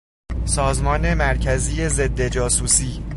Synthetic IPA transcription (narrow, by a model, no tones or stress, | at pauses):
sɒːzmɒːne̞mæɾcʰæziːje̞ze̞d̪ːe̞d͡ʒɒːsuːsiː